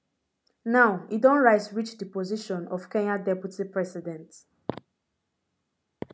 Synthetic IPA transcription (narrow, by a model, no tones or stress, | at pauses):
naʊidɔ̃nɹaɪtɹit͡ʃdipɔziʃɔ̃nɔfkɛ̃ɲadɛpjutipɹɛsidɛ̃nt